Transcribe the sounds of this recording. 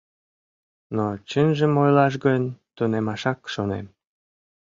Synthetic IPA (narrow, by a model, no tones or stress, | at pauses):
not͡ɕənʒəmojlɑʃ̬ɡənʲt̪unemɑʃɑkʃonḛm